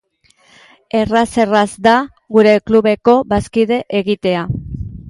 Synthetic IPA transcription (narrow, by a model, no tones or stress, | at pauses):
e̞rase̞razd̪a | ɣuɾe̞kluβe̞ko̞baskiðe̞ʔeɣit̪e̞a